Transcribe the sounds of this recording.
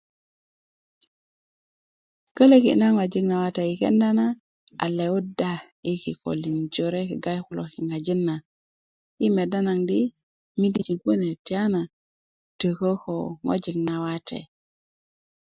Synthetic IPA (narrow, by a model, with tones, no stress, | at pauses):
kə˦le˦kḭ˨na˦ŋo˨d͡ʒi˦ŋna˨wa˦te˨ji˨kḛ˦nda˦na˦ | a̰˨le˨u˦da˦ | i˦ki˨ko̰˨li˨nd͡ʒo˨ɾe˦ki˨ɡa˦jku˦lo˨ki˨ŋa˨d͡ʒi˦nːa˨ | i˦me˨da˦na˨ŋdi˦ | mi˦di˦˨t͡ʃi˨nku˦ne˨ti˨a˦na˨ | tə˨ko˦ko˨ŋo̰˦d͡ʒi˨ŋna˨wa˦tḛ˨